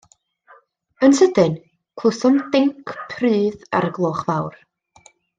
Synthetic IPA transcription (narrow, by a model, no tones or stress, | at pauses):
ənsədɨn | kʰlʊsɔmdɪŋkʰpʰrɨːða̰ɾɡlˠoːχvawr